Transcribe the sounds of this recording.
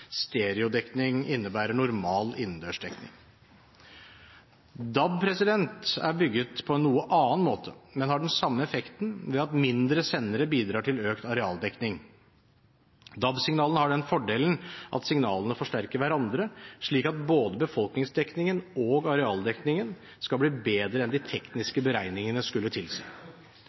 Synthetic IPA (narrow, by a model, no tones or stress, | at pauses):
st̪eːɾɪʊd̪ɛknɪŋɪnːəbæːɾəɳʊɾmɑːlɪnn̩d̪øːʂɖɛknɪ̰ŋ | d̪ɑb̚pʰɾɛsɪd̪ɛnt̪æ̰ɾbʏɡːət̪pʰɔɛnːuːəʔɑːənmoːt̪ʰəmɛnhɑɖɛnsɑmːəɛfɛkt̪n̩ʋɛɑt̪mɪnd̪ɾəsɛnːəɾəbiːd̪ɾɑːʈʰɪløːkt̪ɑɾɛɑ̰ːld̪ɛknɪŋ | d̪ɑbsɪŋnɑːlnhɑɖɛnfɔɖeːlən̩ʔɑ̰t̪sɪŋnɑːlənəfɔʂʈæɾkəɾʋæɾɑnd̪ɾəʂɭiːkɑt̪̚boːd̪əbəfɔlknɪŋsd̪ɛknɪŋənoɡɑɾɛɑːld̪ɛknɪŋən | skɑlbliːbeːd̪ɾəɛnd̪ɪt̪ʰɛknɪskəbəɾæɪnɪŋənəskʉlːət̪ʰɪlsæɪ